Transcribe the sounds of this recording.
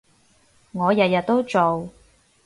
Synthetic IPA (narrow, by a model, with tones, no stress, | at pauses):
ŋɔː˨˧jɐ˨t̚jɐ˨t̪̚t̪o˥wt͡so˨w